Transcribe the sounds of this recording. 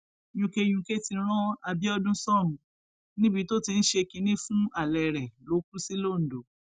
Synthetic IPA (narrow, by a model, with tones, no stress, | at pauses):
jũ˧ke˧j̃ũ˧ke˦tĩ˧˦ɾ̃ã˦a˧bi˦ɔ˦dũ˦sɔ˦˨mũ˨ | nĩ˦bi˨˦to˦tĩ˧n̩˦ʃe˧kĩ˧nĩ˦fũ˦a˨lɛ˨ɾɛ˨lo˨˦ku˦si˦lo˦˨n̩˨do˨˦